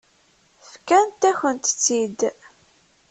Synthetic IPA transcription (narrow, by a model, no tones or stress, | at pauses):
fkænt̪ːæçənt̪t͡sːid̪